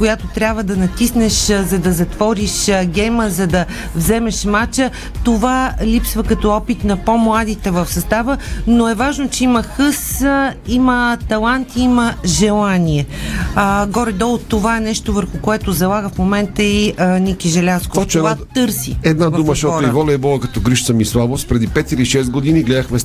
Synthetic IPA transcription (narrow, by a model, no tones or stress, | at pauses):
kojat̪ot̪ɾʲjabvəd̪ɐnɐt̪isnɛʃzɐd̪ɐzɐt̪vɔɾiʃɡʲɛjməzɐd̪ɐ | vzɛmɛʃmat͡ʃə | t̪ovalʲipsvəkɐt̪ɔɔpit̪nɐpomlˠad̪it̪ɛvəfsɐst̪avənoɛvaʒnot͡ʃɛiməxɤsimət̪ɐlˠant̪iiməʒɛlˠaniɛəɡɔɾɛd̪ɔlˠot̪ːovaɛnɛʃt̪ovəɾxʊkoɛt̪ozɐlˠaɡəfmomɛnt̪əiənikiʒɛlʲaskoɔt͡ʃɛvat̪ɤɾsḭɛd̪nadvuməʃɔtɾoivɔlʲɛːbɔlˠəkɐt̪ɔɡɾiʃt̪səmislˠabofspɾɛd̪ipɛt̪iɾiʃɛst̪̚ɡod̪iniɡlɛd̪əxmɛ